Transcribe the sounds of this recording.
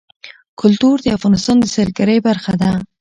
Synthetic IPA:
kʰʊlt̪uɾd̪əafɣɑnɪst̪ɑnd̪əsalɡaɾəjbaɾxad̪a

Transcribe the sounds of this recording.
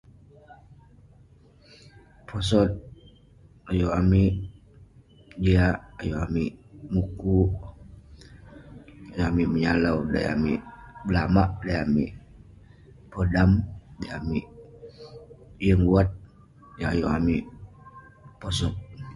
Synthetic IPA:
pʰosɔt̪̚ | ajoamiʔ | d͡ʒiaʔːjoamiʔmuku | ajoamiʔməɲalauda̰ja̰miʔblamaʔdajamḭʔ | podamdajamiʔ | jəŋuat̪̚ | jaajoamiʔ | posɔt̪̚

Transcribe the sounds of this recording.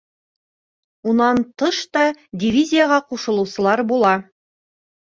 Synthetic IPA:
unɑnt̪ɤʃt̪ɑdʲivʲizʲijəʁɑquʃɤ̆lˠɤ̆wsɤ̆lˠɑɾbulˠɑ

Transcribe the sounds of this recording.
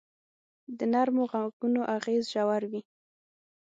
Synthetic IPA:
d̪ənaɾmoɣaɡunoʔaɣezʒawaɾwi

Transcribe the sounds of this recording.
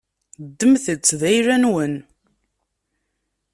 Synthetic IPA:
d̪ːəmθət͡sːðæjɾænwən

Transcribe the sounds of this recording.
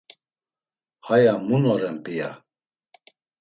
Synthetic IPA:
hajamunɔɾɛmpʼija̰

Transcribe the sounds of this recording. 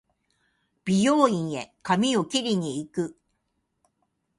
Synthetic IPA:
b̥ʲijoːĩɰ̃e̞kamʲiokʲiɾʲiɲ̟iːkɯ̟

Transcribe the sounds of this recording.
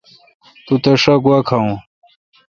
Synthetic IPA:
t̪ut̪ɐʂɐkwɐkʰaũ

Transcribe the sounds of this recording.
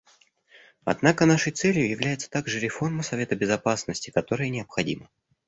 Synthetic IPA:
ɐ̰d̪nakənaʂəjt̪sɛlʲjʊjɪvlʲæjɪt̪sə̥t̪aɡʐɨɾʲɪfo̞rməsɐvʲe̞t̪əbʲɪzɐpasnəsʲtʲɪ̥kɐt̪o̞ɾəjənʲɪəpxɐdʲḭmə

